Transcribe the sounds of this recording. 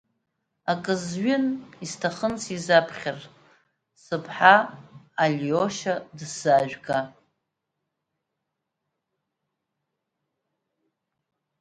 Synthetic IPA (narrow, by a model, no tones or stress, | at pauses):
akʼɨzɥɪnistʰaχənt͡sʰizapʰχʲar | sɨpʰħaː | lʲoʃadsaʒʷᶣɡa